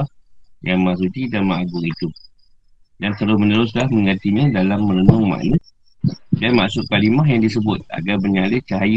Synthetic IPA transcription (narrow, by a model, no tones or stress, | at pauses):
ajaŋmaʔs̬ut̪idanməaɡʊŋid̪u | dant̪əɾʊsmə̃nəɾʊs̬lahmə̃ŋat̪iɲãdalamːə̃ɾənʊŋma̰ʔnət | danmaʔsʊt̪̚kalimahjaŋdis̬əbʊt̪̚a̰ɡarbəɲalɪhkəɦaj